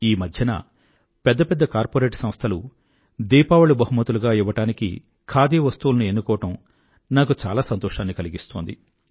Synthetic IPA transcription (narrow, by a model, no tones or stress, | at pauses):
iːmɐd̪ʱjɐnɐ̰ | pɛd̪ːɐpɛd̪ːɐkaːɾpoːɾeːʈsɐmɐst̪ʰɐlu | d̪iːpaːwɐɭubɐɦumɐt̪uluɡaːiʋːɐʈaːnikḭ | kʰaːd̪iːɐʋɐst̪uːlɐnue̞nːukɔːʋɐʈɐm | naːkut͡ʃa̰ːlaːsɐnt̪ɔːʃaːnːikɐliɡist̪oːnd̪i